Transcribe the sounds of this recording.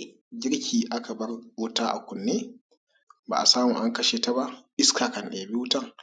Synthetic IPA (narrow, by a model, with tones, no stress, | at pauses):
ɡʲɪ˦ɾkʲʰiː˨ʔa˦ka˨bɐ˦rwʊ˦taː˦ʔa̰˨kʷʊ˨nːeː˦ | ba̰˨ʔa˨saː˦mu˨ʔa˦ŋkɐ˦ʃeː˨ta˦ba˦ʔʔɪ˦skaː˨kɐ˨nɗeː˨bi˦wʊ˦tɐ˦˨ŋ